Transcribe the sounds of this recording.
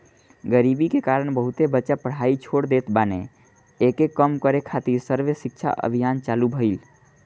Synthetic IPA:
ɡəɾibikekaɾəɳ̃bəɦut̪ebəːt͡ʃapəɽ̤ait͡ʃʰoɽd̪et̪banḛ | ekekəmkəɾekʰat̪iɾsəɾʋesik̚t͡ʃʰa̰ʔə̰bʱijant͡ʃalubʱəɪl

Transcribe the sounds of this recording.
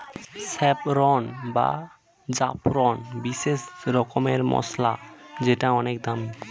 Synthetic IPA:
sɛpɾɔnba̰ | d͡ʒa̰pɾɔnbisesɾɔkɔmeɾmɔ̰slad͡ʒeʈaɔnek̚d̪ami

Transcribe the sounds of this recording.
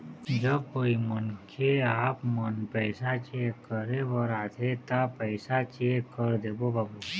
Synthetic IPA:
d͡ʒəb̚koimənkʰeaːpmənpəɪsat͡ʃekːəɾebəɾaːt̪ʰet̪apəɪsat͡ʃekːəɾd̪ebobʱabu

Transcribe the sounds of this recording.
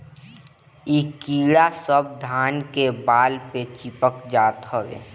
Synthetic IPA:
iːkiːɽasəb̚d̪ʱaːnkebaːlpet͡ʃipəkd͡ʒaːt̪ɦɔʋḛː

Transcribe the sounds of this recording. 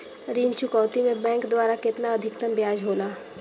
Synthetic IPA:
ɾiːnt͡ʃʊkɔːt̪imẽbɛ̃ːŋkd̪waːɾakɪt̪naɐd̪ʱɪkt̪əmbjaːd͡ʒɦoːlaː

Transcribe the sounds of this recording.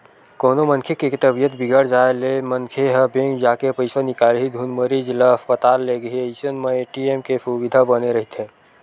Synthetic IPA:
koːnomə̃nkʰekekt̪əbijət̪bɪɡəɽd͡ʒaːelemənkʰeɦəbẽːŋd͡ʒaːkepəɪsanɪkaːlɦid̪ʱuːnməɾid͡ʒləɐspət̪aːlːeɡəɦiəɪsənmeeːʈiemkesuʋɪd̪ʱabəneɾɐɦit̪ẽː

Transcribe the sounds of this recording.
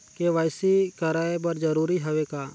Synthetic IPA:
keʋaːɪsiːkəɾaːebəɾd͡ʒəɾuːɾiɦəʋeːkaː

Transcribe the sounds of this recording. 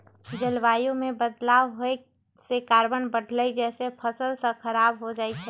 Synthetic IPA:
d͡ʒəlʋajũmebəd̪lawɦoj | sekaɾbənbəɽ̤ʱləjd͡ʒɛsepʰəsəlsə̃kʰəɾabɦod͡ʒaɛt͡ʃʰɛ

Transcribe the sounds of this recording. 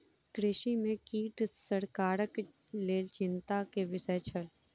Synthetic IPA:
kɾɪʃimẽkiːʈsəɽkaːɾək | leːlt͡ʃɪnt̪akeʋɪʃət͡ʃʰəl

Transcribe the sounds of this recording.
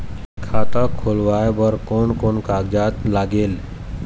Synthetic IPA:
kʰaːt̪akʰoːlʋaːebəɾkoːnkoːnkaːɡd͡ʒaːt̪laːɡeːl

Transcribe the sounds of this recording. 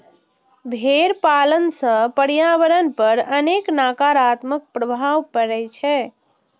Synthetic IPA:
bʱeɾpalənsə̃pəɾjaʋəɾənpəɾəneknakaɾat̪mək̚pɾəbʱaʋpəɾɛt͡ʃʰɛ

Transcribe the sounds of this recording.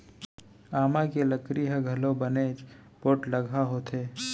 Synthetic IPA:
aːmãkeləkɾiɦɛɡʱɐlõbəneːt͡ʃpoːʈlɐɡʱaɦot̪ʰeː

